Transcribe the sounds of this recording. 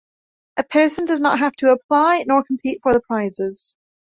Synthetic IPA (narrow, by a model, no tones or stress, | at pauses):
ʔəpʰɜ˞sə̃ndʌznə̰ʔ̚ɦaftʰəːpʰl̥aɪnɔɹkʰm̩pʰitfə˞ðəpʰɹ̥aɪzɪz̥